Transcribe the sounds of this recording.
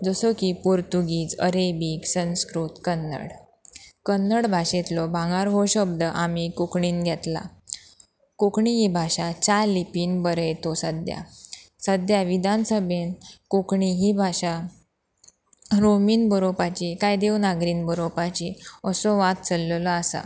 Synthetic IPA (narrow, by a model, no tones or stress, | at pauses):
d͡zəsəkipuɾt̪uɡiːt͡səɾebiksə̃nskɾut̪kənːə̰ɽ | kənːəɽbʱaɕet̪lɔbʱãŋɡaɾɦoɕəbd̪əʔamikukɳiːnɡʱjɛt̪la̰ | kokɳiɦibʱaɕat͡ɕalipiːnbəɾəjt̪osəd̪ja̰ | səd̪jaʋid̪ʱansəbʱenkukɳiɦibʱaɕa | ɾomiːnbəɾopat͡ɕikajd̪ewnaɡɾiːnbəɾopat͡ɕiəsɔʋat̪̚t͡səlːlaasa̰